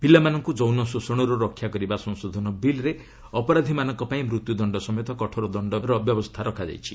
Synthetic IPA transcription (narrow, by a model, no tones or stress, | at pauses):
bilːamanɔŋkud͡ʒownɔsusɔɽ̃ɔɾɔɾɔkʰːjakɔɾibasɔŋsod̪ʱɔnɔbilɾe | ɔpɔɾad̪ʱimanɔŋkɔpaĩmɾut̪jud̪ɔɳɖɔsɔmɔjɔt̪ɔkɔʈʰɔɾɔd̪ɔɳɖɔɾɔbjɔbɔst̪ʰaɾɔkʰad͡ʒa̰jt͡ʃʰi̥